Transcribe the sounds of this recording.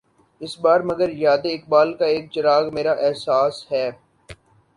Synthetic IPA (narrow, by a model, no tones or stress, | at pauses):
ɪsbaːɾmɐɡəɾjaːd̪eɪk̚baːlkaeːk̚t͡ʃɐɾaːɣmeːɾaʔɛɦsaːsɦɛː